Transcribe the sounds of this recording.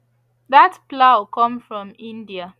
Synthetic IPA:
ðatplakʰɔ̃mfɹɔ̃mĩndia

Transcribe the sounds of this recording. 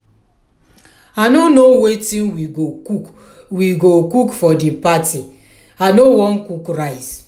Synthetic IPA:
anonowetinwio | wiɡokukfɔdipati | anowɔn̩kukɾaɪs

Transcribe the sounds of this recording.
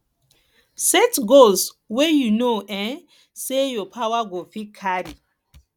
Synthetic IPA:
sɛtɡols | wɛjunoʔɛ̃n | sejɔpʰawaɡofikʰaɾi

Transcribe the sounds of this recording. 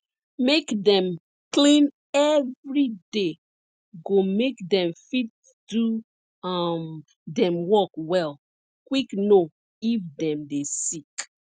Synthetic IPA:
mekdɛ̃m | klĩn | ɛvɹide | ɡomekdɛ̃mfit̚ | du | ʌm | dɛ̃mwɔkwɛl | kwikno | ifdɛ̃mdesik

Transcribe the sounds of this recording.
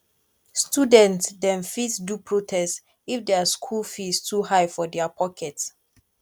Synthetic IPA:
studɛ̃ntdɛ̃nfidsdupʰɹotʰɛst | ifdɛaskʰulfistuhaɪfɔdɛapʰɔkʰɛt

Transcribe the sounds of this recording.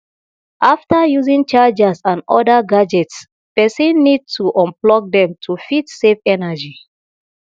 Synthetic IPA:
ʔaftajuzĩŋt͡ʃad͡ʒasãnɔ̰daɡad͡ʒɛts | pɛsĩnːid̚tʰuʔɔ̃mplɔk̚dɛ̃mtʰufitsefɛnad͡ʒi

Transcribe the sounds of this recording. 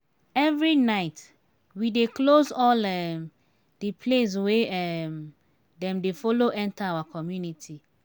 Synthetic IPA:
ɛvɾinaɪt | wideklozɔlɛm | d̥ipʰles̬weɛm | dɛ̃mdefoloʔɛ̃ntʰaawakʰɔmjunitʰi

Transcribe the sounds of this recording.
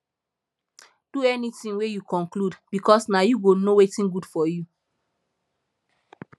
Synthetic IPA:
d̥uɛnitĩnwejukɔ̃nkludb̥ikʰɔsnajuɡonowetĩnɡudfɔju

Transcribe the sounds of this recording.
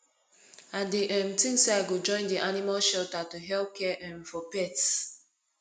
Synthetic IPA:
ãndiʔɛ̃mtĩŋseaɡod͡ʒɔ̃ɪ̃ndiʔanimalʃɛltatuɦɛlp̚kɛʔɛ̃mfɔpɛts

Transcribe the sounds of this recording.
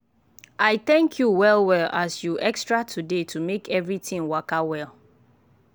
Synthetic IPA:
aɪθɛ̃ŋkʰjuwɛlwɛlasjuʔɛkstɹatʰudetʰumekɛvɹitĩŋwakawɛlˠ

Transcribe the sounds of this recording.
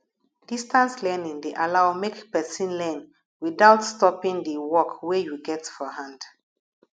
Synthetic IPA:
d̥istãnslɛnĩŋdeʔalawmekpɛsĩnlɛn | widaʊtstɔpĩŋdəwɔkwejuɡɛtfɔhãnd

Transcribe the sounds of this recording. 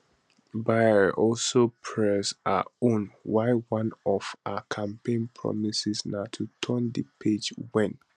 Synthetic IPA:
baɪəɹʔɔlsopʰɹɛsa̰õnwaɪwãnɔv̥akʰãmpẽnpʰɹɔ̰misisnatʰutʰɔ̃ndipʰed͡ʒwɛ̃n

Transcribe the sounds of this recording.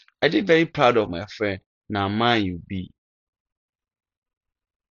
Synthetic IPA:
ɛdɪvɛɾipʰɾadɔfmã̰fɾɛ̃n | nãmãjubi

